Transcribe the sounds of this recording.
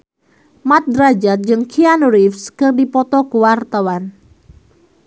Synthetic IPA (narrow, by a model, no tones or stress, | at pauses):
mat̪̚d̪ɾad͡ʒat̪̚d͡ʒɨŋkʰianuɾifskɨrdipɔt̪ɔkuwart̪awan